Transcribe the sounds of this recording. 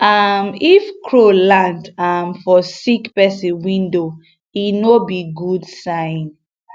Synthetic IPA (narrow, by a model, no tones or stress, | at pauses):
amifkʰɹolãndamfɔsikpɛsĩnwĩndo | inobiɡudsãɪ̃n